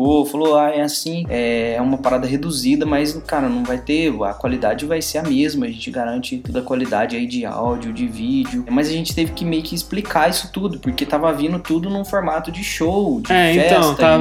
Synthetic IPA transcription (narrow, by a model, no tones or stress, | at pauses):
ofaloajɛasĩɛɛũmɐpaɾad̪ɐɦed̪uzid̪ɐmɐzkaɾɐnɐ̃w̃vajt̪eɐ̰kwalid̪ad͡ʒɪvajseɾɐmezmɐʒẽnt͡ʃɪɡaɾɐ̃nt͡ʃɪt̪od̪ɐkwalid̪a̰d͡ʒɪɐid͡ʒɪa̰wd͡ʒiʊd͡ʒɪvid͡ʒɪʊmɐzɐʒẽnt͡ʃɪ̥t̪evɪkɪmejʊkɪːsplikaisʊ̥t̪ud̪ʊpoɾket̪avɐavĩnd̪ʊt̪ud̪ʊnũfoɾmat̪ʊd͡ʒɪʃowd͡ʒɪɛẽfɛt̪st̪a